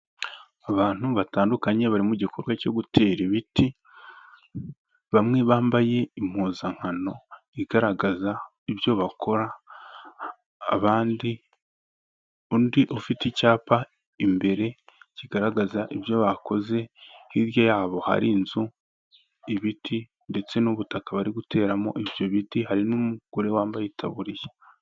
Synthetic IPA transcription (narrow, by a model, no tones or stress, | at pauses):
aβaːn̥huβataːndukaɲe̞βaɾimuɟikʰoɾɡwaco̞ɡutʰeːɾiβiti | βamŋeβaːmbaje̞im̥uːzaŋ̥hano̞ | iɡ̥aɾaɡaza | iβjo̞βakʰo̞ɾa | βaːndi | undiʔofiticaːpa | imbe̞ɾe̞ciɡaɾaɡazaʔiβjo̞βakʰo̞ze̞hiɾjojaːβo̞ha̰ɾinzu | iβitʰi | nde̞t͡se̞nuβutakaβaɾiɡute̞ːɾamo̞̰ʔiβjo̞βitihaɾinumuɡ̥oɾe̞waːmbajetʰa̰βuɾijḁ